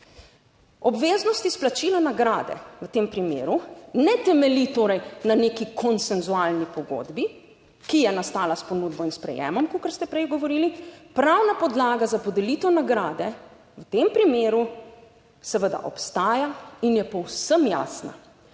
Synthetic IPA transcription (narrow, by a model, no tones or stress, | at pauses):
ɔbʋeːznɔst̪isplat͡ʃilanaɡɾaːd̪ɛ̰ʋət̪eːmpɾimḛːɾunɛt̪ɛmɛlit̪oːɾɛjnaneːkikʰɔnsɛnzualnipɔɡo̰d̪bi | kijɛnast̪aːlaspɔnuːd̪bɔinspɾɛ̰jɛ̰ːmɔmkukəɾst̪ɛpɾɛjɡɔʋɔɾilipɾawnapɔd̪laːɡazapɔd̪ɛlit̪ɛwnaɡɾaːd̪ɛ | wət̪empɾimeːɾu | sɛʋəd̪a̰ʔɔ̰pst̪aːjainjɛpɔwsəmja̰ːsna̰